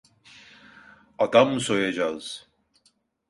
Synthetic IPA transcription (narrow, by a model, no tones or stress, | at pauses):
ad̪amːɯso̞jad͡ʒaz̥